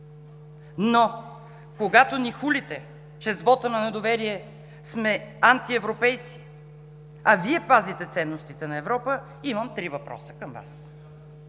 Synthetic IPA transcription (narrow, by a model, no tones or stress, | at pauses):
no | koɡat̪onixulit̪ɛ | t͡ʃɛzvɔt̪ənɐnɛd̪ovɛɾiɛ | smɛant̪iɛvɾopɛjt̪si̥ | ɐviɛpazit̪ɛt̪sɛnːost̪it̪ɛnɐɛvɾɔpə | iməmt̪ɾivɐpɾɔ̰sə̥kəmva̰s